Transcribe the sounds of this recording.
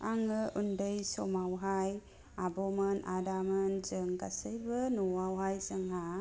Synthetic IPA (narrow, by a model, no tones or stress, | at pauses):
aŋəʔundəjsɔmawɦaj | abɔmənʔadamənzəŋɡasəjbənuwawɦajzəŋɦa